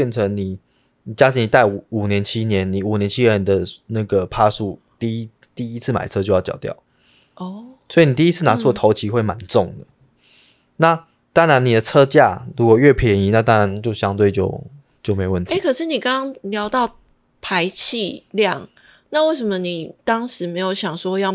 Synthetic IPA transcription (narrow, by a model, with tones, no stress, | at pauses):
ɛ˥˨nt͡sʰə˧˦ŋni˨˩ | ni˨˩t͡ɕja˥t͡ɕ̪ʰi˧˥ŋni˨˩t̪a˥˩ɪu˨˩u˨˩njɛ˧˦nt͡ɕʰi˦˥njɛ˧˦nni˨˩u˨˩njɛ˧˦nt͡ɕʰi˥njɛ˧˨˧nd̪ə˦na˥˩ɡə˩pʰa˥˧ʂu˥˧ | t̪i˥˧˦ | t̪i˥˧i˦˥t͡sʰɹ̩˥˩ma̰˨˩ɪt͡sʰɤ˥t͡ɕjo˥˧ʊjjɑ˨˩ʊt̪jɑ̰˥˩ʊ | ɔ˥˩swɔ˧˥i˨˩ni˨˩i˥˨i˦˥t͡s̩ʰ˥˩na˨˧˦t͡sʰwɔ˥˨t̪ʰo˧˦ʊt͡ɕʰi˧˥xwe˥˩ma˧˦nʈ͡ʂʊ˥˨ŋd̪ə˩ | na˥˨ | t̪ɑ˥ŋɻa˧˦ni˨˩d̪ə˦t͡sʰɤ˦t͡ɕja̰˥˨ɻu˧˥kwɔ˨˩ɥɛ˥˩pʰjɛ˧˥ŋi˧˥˦na˥˧˩t̪ɑ˥ŋɻa˧˦nt͡ɕjo˥˨ʊɕjɑ˥ŋt̪̬we˥˧ɪt͡ɕjo̰˥˧ʊ | t͡ɕjo˥˩me˧ɪwə˥˩nt̪ʰe˥˩kʰɤ˨˩ʂɻ̩˥˩ni˨˩kɑ˥ŋɑ˥ŋljɑ˧˦ʊt̪ɑ˥˨ʊ | pʰa˧˦ɪt͡ɕʰi˥˧ljɑ˥˨˩ŋ | na˥˧we˥˩ɪʂ̬ə˨˦mə˧ni˨˩t̪ɑ˥ŋʂɻ̩˧˥me˧˥ɪjo˧˩ʊɕjɑ˨˩ŋʂwɔ˥jɑ˥˩ʊ